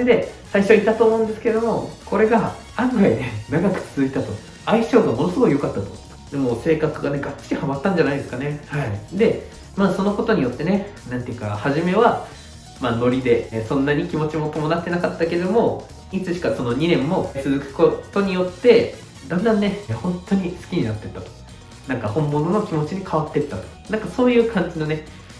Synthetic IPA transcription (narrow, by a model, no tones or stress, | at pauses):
d̪e̞saiɕo̞it̪at̪o̞ːmo̞ɯ̃nd̪esɨ̥keɾed̪o̞mo̞ko̞ɾe̞ɡa | ãŋɡaid̪e̞naɡakɯ̟̥t͡sɨzɨit̪at̪o̞ | aiɕo̞ːɡamo̞nosɨɡo̞kijo̞kat̪ːat̪o̞ | d̪e̞moːse̞ːkakɯ̟ɡane̞ɡat͡ɕːi̥ɾʲihamat̪ːãɲ̟d͡ʑanaid̪e̞sɨ̥kane̞haid̪e̞ | maːso̞no̞ko̞t̪o̞ɲ̟ijo̞t̪ːe̞ne̞nãnt̪e̞jɯ̟ka̰haʑime̞βa | maːno̞ɾʲid̪e̞sõ̞nːaɲ̟ikʲimo̞t͡ɕimo̞t̪o̞mo̞nat̪ːe̞nakat̪ːaked̪o̞mo̞ | it͡sɨɕi̥kaso̞no̞ɲ̟inẽ̞mːo̞st͡sɨzɨkɯ̟̥kot̪o̞ɲ̟ijo̞t̪ːe̞ | d̪ãnd̪ãnːe̞hõ̞nt̪ːo̞ɲ̟isɨ̥kʲiɲ̟inat̪ːe̞t̪ːat̪o̥ | nãŋkahõ̞mːo̞no̞nokʲimo̞t͡ɕiɲ̟ikʰaβ̞at̪ːe̞t̪ːat̪o̞̥nãŋkaso̞ːjɯ̟ːkʰãɲ̟d͡ʑino̞ne